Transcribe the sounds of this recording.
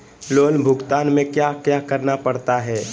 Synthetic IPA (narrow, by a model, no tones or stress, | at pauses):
loːlbʱʊɡt̪aːnmẽkjakjaːkɐɾnapɐɽt̪aɦɛː